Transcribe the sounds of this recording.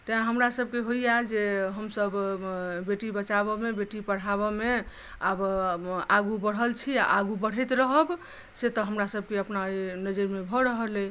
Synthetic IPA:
t̪ãɦəmɾasəb̚keɦoijad͡ʒeɦəmsəbbeʈibət͡ʃaβɔmebeʈipəɽ̤aβɔme | abaɡubəɽ̤ɦəlt͡ʃʰia̰ʔaɡubəɽ̤ɛt̪ɾəɦəb | set̪ɔɦəmɾasəb̚keəpnainəd͡ʒəɾmebʱɔɾəɦəle

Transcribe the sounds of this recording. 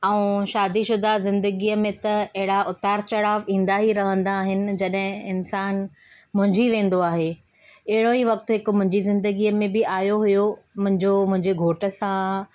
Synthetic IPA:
ɛũʃaːd̪iʃʊd̪ʱazɪ̃nd̪əɡiːəmẽt̪ɐɐɦɪɽaʔʊt̪aːɾt͡ɕɐɽaːʋĩːn̆d̪aɦiɾɐɦə̃nd̪aːɦɪnɪ̆d͡ʑɐɗɦɪ̃ɪnsaːn | mʊ̃ɦɪ̃ɲd͡ʑiʋẽːn̆d̪oaːɦe | ɐɦɪɽoiʋɐk̚t̪ʊɦɪkmʊ̃ɦɪ̃ɲd͡ʑizɪ̃nd̪əɡiəmẽbɪʔaːjoɦʊjomʊ̃ɦɪ̃ɲd͡ʑomʊ̃ɦɪ̃ɲd͡ʑeɡʱoːʈə̆sã

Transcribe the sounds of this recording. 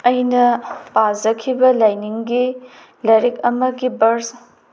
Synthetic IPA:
ɐjnɐpazɐkʰibɐlajniŋɡi | lɐɾikɐmɐɡibɐɾs

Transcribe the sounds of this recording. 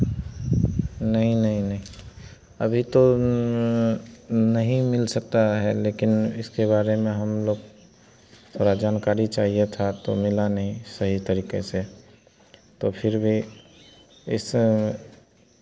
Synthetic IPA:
nəɦĩnəɦĩnəɦĩ | əbʱit̪o | nəɦĩmɪlsək̚t̪aɦɛleːkɪnɪskeβaːɾemẽɦəmloːɡ | t̪ʰoːɾad͡ʒaːnkaːɾit͡ʃaːɦiet̪ʰat̪omɪlanəɦĩsəɦit̪əɾiːkese | t̪opʰɪɾbʱi | ɪs

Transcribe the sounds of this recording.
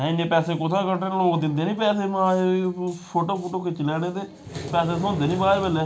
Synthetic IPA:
ɦɛ̃ːɪnẽːpɛːseːkʊt̪ʰãːkəʈːeːloːkd̪ɪ̃nd̪eːnĩːpɛːseːmãː | pʰoːʈoːpʰoːʈoːket͡ʃlɛːɽ̃ẽːt̪eː | pɛːseːsõːnd̪eːnĩːbaːeːbəleː

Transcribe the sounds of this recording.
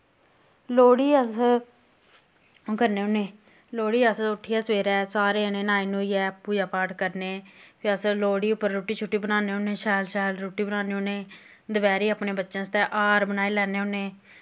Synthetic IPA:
loːɽiːəs | kəɾneːʊneː | loːɽiːəsʊʈʰːiːɛːsʋeːɾɛːsaːɾeːəneːnaːenũːiɛːpːuːd͡ʒaːpaːɾʈkəɾneːpʰiːəsloːɽiːʊpːəɾːoːʈiːt͡ʃʰʊʈːiːbənaːneːʊneːʃɛːlʃɛːlɾoːʈiːbənaːneːoneː | d̪əbɛːɾiːəːpneːbətːʃãːst̪ɛːʔaːɾbənaːeːlɛːneːʊnːeː

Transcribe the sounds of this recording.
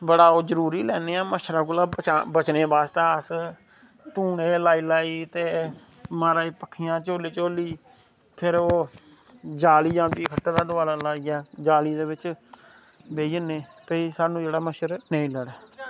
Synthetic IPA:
bəɽaːoːzəɾuːɾiːlɛːneːãːməʃɾaːkʊlaːbət͡ʃːbət͡ʃneːbaːst̪aːəs | t̪ũːɽeːlaːiːlaːiːt̪eː | maːɾaːiːpəkʰːijãːt͡ʃoːliːt͡ʃoːliː | pʰɪɾoː | d͡ʒaːliːd͡ʒãːnd̪iːkʰəʈːaːd̪aːd̪ʊʋaːlaːlaːiːaːd͡ʒaːliːd̪eːbɪt͡ʃ | beːiəneːpəiːsaːnũːd͡ʒeːɽaːməʃəɾnəĩːləɽaː

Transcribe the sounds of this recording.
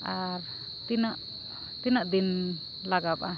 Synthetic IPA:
aɾ | t̪inaʔ | t̪inaʔd̪in | laɡap̚a

